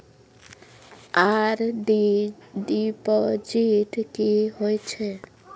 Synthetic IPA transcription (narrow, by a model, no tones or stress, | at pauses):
aɾɖiɖipɔd͡ʒiʈkiɦojt͡ʃʰɛ